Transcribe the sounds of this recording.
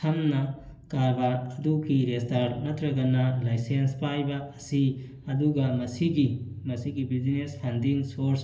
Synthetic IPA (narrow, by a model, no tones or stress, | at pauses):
tʰɐmnɐ | kaɾbaɾɐduɡiɾestaɾnɐtɾɐɡɐnɐlajsenspajbɐːsi | ɐduɡɐmɐsiɡimɐsiɡibid͡ʒinespʰɐndiŋsoɾs